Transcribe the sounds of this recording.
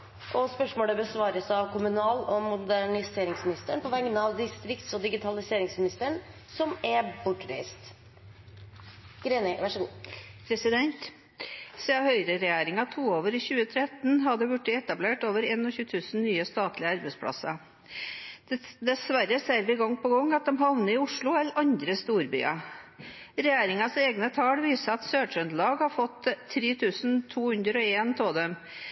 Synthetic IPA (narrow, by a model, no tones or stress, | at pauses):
ʔɔspœʂmoːləbəsʋɑːɾəsɑʋkʰʊmʉnɑːlɔmʊd̪æɳɪseːɾɪŋsmɪnɪst̪əɳpʰɔʋɛŋːənɑʋd̪ɪst̪ɾɪkt̪sɔd̪ɪɡɪt̪ʰɑlɪseːɾɪŋsmɪnɪst̪əɳ | sɔmæbʊʈːɾḛɪst̪ | ɡ̥ɾeːnəʋæʂəɡuːpʰɾɛsɪd̪ɛnt̪ | sehœʏɾəɾɛjeːɾɪŋɑt̪ʰuːoːʋəɾiçʉːət̪ʰɾɛt̪nɦɑd̪əbʉʈːəɛt̪ɑbleːʈoːʋəɾeːnɔçʉːt̪ʰʉːsn̩nyːəst̪ɑːt̪ʰlɪəɑɾbɛspʰɽɑ̰sːɑ | d̪ɛsʋæɾəseːɾʋɪɡɔŋːpɔɡɔŋːɑt̪̚d̪ɛmɦɑʋnəɪʊʂɭʊɛləɾʔɑnd̪ɾəst̪uːɾby̰ːɑ̰ | ɾɛjæːɾɪŋɑseːɡnət̪ʰɑːɽʋiːsəɑt̪søːʂœnd̪lɑːɡhɑfɔt̪ʰːɾeːt̪ʰʉːsnt̪ʰuːhʉnd̪ɾəɔeːnt̪ʰɔd̪ɛm